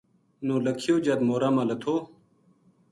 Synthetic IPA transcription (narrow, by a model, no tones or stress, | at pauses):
noːləkʰijoːd͡ʑad̪moːɾaːmãːlɐt̪ʰoː